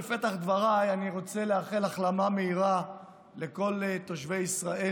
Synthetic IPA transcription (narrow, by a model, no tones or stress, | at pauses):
fet̪aχd̪vaʁajaniʁo̞t͡se̞leaʁχelaχlamameiʁa | le̞ko̞lt̪oʃve̞jisʁaʔe